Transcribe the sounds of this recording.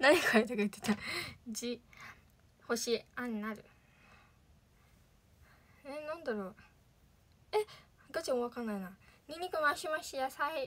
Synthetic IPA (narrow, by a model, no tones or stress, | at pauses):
naɲʲikʰaet̪ekaɯ̟t̪ːet̪ad͡ʑi | ho̞ɕiãnnaɾɯ̟ | enãnd̪aɾo | eɡ̪at͡ɕimoβakãnːainaɲʲiɲ̟ːikɯmaɕimaɕijasai